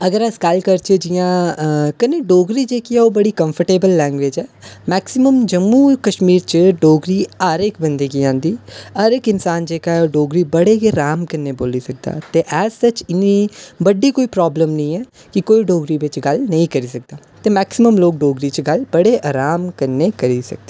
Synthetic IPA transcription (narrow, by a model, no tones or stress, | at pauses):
əɡəɾəsɡəlkəɾt͡ʃəd͡ʒɪjãːkəneːɖoːɡɾiːd͡ʒeːkiɛːoːbəɽiːkə̃mpʰəɾʈeːbəlːɛ̃ːŋɡʋeːd͡ʒɛːmɛːksɪməmd͡ʒəmːuːkəʃmiːɾt͡ʃəɖoːɡɾiːəɾɪkbənd̪eɡiːãːnd̪iːəɾɪkɪnsaːnd͡ʒeːkaːɛoːɖoːɡɾiːbəɽeːkeːɾaːmkənːeːboːliːsək̚d̪a̰ːt̪eːʔɛːsət͡ʃɪniːbəɖiːkoːiːpɾɔːbləmnəĩːɛː | kɪkoːiɖoːɡɾiːʋɪt͡ʃɡəlnəĩːkəɾiːsək̚d̪aːt̪eːmɛːksɪməmloːk̚ɖoːɡɾiːt͡ʃɡəlbəɽeːʔaːɾaːmkəɾneːkəɾiːsə̰k̚d̪eː